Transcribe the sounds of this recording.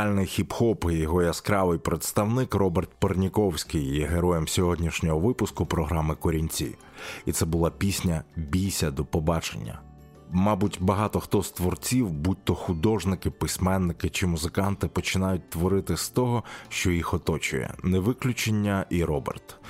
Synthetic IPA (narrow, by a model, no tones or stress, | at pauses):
alʲnɪjxʲipxɔpjjɔɦɔjɐskɾɑʋɪjpɾet̪st̪ɐwnɪkrɔbert̪̚pernʲikɔwsʲkɪjjɛɦeɾɔjɛmsʲɔɦɔdʲnʲiʃnʲɔɦɔʋɪpʊskʊpɾɔɦɾɑmɪkɔɾʲinʲt͡sʲḭ | it̪sɛbʊlˠɑpʲisʲnʲɐbʲijsʲɐd̪ɔpɔbɑt͡ʃḛnʲːɐ̰ | mɑbutʲbɐɦɑt̪ɔxt̪ɔst̪ʋɔrt͡sʲiwbut̪ːɔxʊd̪ɔʒnɪkɪpɪsʲmɛnːɪkɪt͡ʃɪmʊzɪkɑnt̪ɪpɔt͡ʃɪnɑjʊt̚ʲt̪ʋɔɾɪt̪ɪst̪ɔɦɔʃt͡ʃɔjixɔt̪ɔt͡ʃʊ̰jɛ̰nɛʋɪklʲʊt͡ʃenʲːɐʔiɾɔbḛrt̪